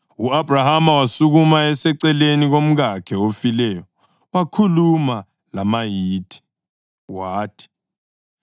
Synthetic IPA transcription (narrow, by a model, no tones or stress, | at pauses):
uab̥ʱrahamawasuɣumaɛsɛǀɛleniɣom̩ɣakʰɛofilɛjɔ | wakʰuluma | lamajitʰʼi̥ | waːtʰi̥